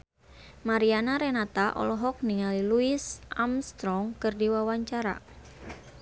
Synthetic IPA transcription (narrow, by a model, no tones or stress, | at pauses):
maɾianaɾenat̪aʔɔ̰lɔɦɔk̚niŋaliluɪsʔamst̪ɾɔŋkɨrdiwawaɲt͡ʃaɾa̰